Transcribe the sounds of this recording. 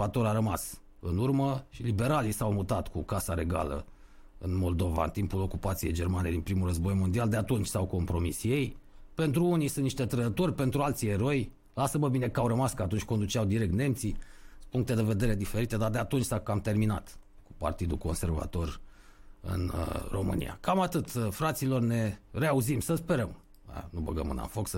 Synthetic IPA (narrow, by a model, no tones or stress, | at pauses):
vat̪o̞ɾaɾəmas | ɨnurməʃilibe̞ɾalisawmut̪at̪kukasaɾe̞ɡa̰lə̰ | ɨ̰nmo̞ld̪o̞va̰ɨ̰nt̪impulo̞kupat̪sije̞jd͡ʒe̞rmane̞d̪inpɾimulrəzbo̞jmo̞nd̪iald̪eat̪unt͡ʃʲsawko̞mpɾo̞misje̞jpe̞nt̪ɾuunijsɨnniʃt̪e̞t̪ɾəd̪ət̪o̞rʲpe̞nt̪ɾualt̪sie̞ɾo̞j | lasəməbine̞kawɾəmaskəat̪unt͡ʃʲko̞nd̪ut͡ʃeawd̪iɾek̚t̪ne̞mt̪sipuŋk̚t̪e̞d̪e̞ve̞d̪e̞ɾe̞d̪ife̞ɾit̪e̞d̪ard̪eat̪unt͡ʃʲsakamt̪e̞rmina̰t̪ | ku̥pa̰rt̪id̪ṵko̞nse̞rva̰t̪o̞r | ɨ̰nro̞̰mɨ̰nḭja̰kamat̪ɨt̪fɾat̪silo̞rne̞reauzimsəspe̞ɾəm̰ | nubə̰ɡə̰mɨ̰na̰nfo̞ksə